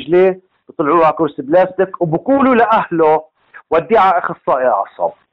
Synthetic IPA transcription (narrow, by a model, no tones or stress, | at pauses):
ʒleː | bt̪ˤlʕuːhakʊɾsɪblaːst̪ɪkwbʊkuːlulaʔahlo | wad̪ːiʕaʔxɑsˤːɑːʔjʕɑ̰sˤɑ̰b̚